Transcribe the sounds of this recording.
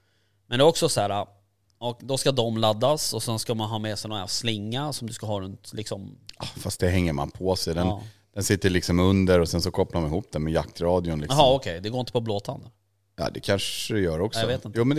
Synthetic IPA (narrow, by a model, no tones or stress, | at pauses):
mɛnɛːɔksɔsæːɾa | ɔd̪ɔskad̪ɔmlad̪ːasɔsɛnskamanɦɑːmɛsɛjnɔaslɪŋːasɔmd̪ɵskaɦɑːɾɵnt̪lɪksɔmɑfast̪̚d̪ɛɦɛŋːəɾma̰npʰɔsɛjd̪ɛnd̪̥ɛnsɪt̪ːəɭɪksɔmɵnd̪əɾɔsɛnsɔkʰɔpːlaɾɔmnɪhuːp̚ːd̪ɛnmɛjakt̪ɾɑːd̪ɪʊnlɪ̰kɦɑːɔkʰɛjd̪ɛɡoːɾɪnt̪ə̥pʰɔbloːt̪ʰand̪ə | ɑ̰ːd̪ɛkʰanʂəd̪ɛjœːɾɔkːjaɔveːt̪ɪntj̪uːmɛn